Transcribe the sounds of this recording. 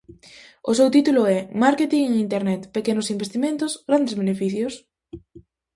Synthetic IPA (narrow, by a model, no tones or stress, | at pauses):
ʊsewt̪it̪ulʊɛmaɾket̪iŋeŋint̪eɾnɛt̪pekenʊsimbest̪imẽnt̪ʊsɡɾand̪ezβenefiθjʊs